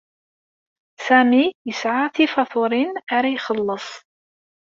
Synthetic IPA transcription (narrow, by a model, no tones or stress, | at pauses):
sæmijəsʕaθifɑθʊɾɪnʔaɾajxɑlːəsˤ